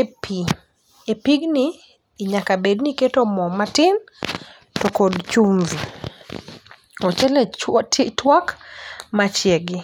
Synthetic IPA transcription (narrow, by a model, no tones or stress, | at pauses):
pi | epiɡnɪː | ɲakabedniketomɔmatɪn | tokodt͡ʃunzu | ɔt͡ʃɛlɛttwakmat͡ʃjeɡɪ